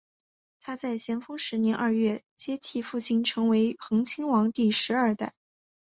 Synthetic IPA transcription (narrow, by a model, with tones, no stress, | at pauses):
t̪ʰa˥t͡sa˥˩ɪɕjɛ˧˥nfɤ˥ŋʂɻ̩˧˥njɛ˧˥nʔɐ˞˥˧ɥɛ˥˩ | t͡ɕjɛ˥t̪ʰi˥˧fu˥˩t͡ɕʰi˥˩nʈ͡ʂʰɤ˧˥ŋwe˧˥ɪxɤ˧˥ŋt͡ɕʰi˥ŋwɑ˧˥ŋt̪i˥˩ʂɻ̩˧˥ɐ˞˥˧t̪a˥˩ɪ